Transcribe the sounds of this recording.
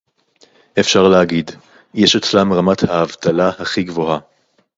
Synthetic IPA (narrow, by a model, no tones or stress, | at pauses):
ʔefʃaʁleaɡid | jɛʃet͡slamʁamathaːvt̪alahaχiɡvo̞ɦa